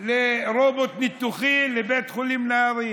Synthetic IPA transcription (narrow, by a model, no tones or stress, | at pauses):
lɪɾˤoːbot̪nɪt̪ːuxiːnlɪbeːt̪xʊliːmnɑːɾˤi